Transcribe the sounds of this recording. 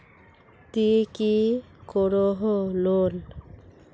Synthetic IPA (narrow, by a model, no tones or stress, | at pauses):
t̪iki | kɔɹɔɦɔlol